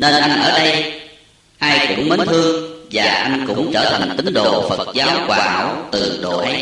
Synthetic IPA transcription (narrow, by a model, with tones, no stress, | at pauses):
ne˧nʔa˧jnʔəː˧˩ɗə˧j | ʔaː˧jkʊ̰˧˥ŋ͡mmə˨˦nt̪ʰɨ˧əŋvaː˨˩ʔa˧jŋ̟kʊ̰˧˥ŋ͡mt͡ɕəː˧˩t̪ʰa˨˩ŋ̟t̪ï˨˦ŋ̟ɗo˨˩fə˨˩t̚zaː˨˦wkwaː˨˩haː˧˩wt̪ɨ˨˩ɗo˧˨˩ʔa˨˧˦